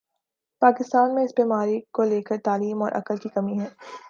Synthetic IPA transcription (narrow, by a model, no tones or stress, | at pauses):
paːkɪst̪aːnmẽɪsbiːmaːɾikoleːkəɾt̪aːliːmɔːɾʔɐ̰kəlkikɐmiɦɛː